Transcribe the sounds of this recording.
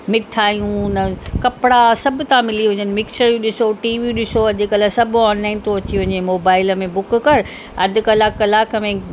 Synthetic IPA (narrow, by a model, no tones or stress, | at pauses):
mɪʈʰaːjũnɐkɐpɪɽasɐbʱʊ̆t̪ãmɪliɦʊ̃ɲənɪ̆mɪksəɾjĩɗɪsoʈiːʋiɗɪsoɐʄɪkɐlasɐbɔːnlaːɪnt̪oɐt͡ɕiɦʊ̃ɲemoːbaːɪləmẽbʊkkɐɾ | ɐ̰d̪ʱɪ̆kɐlaːkɐlaːkəmẽ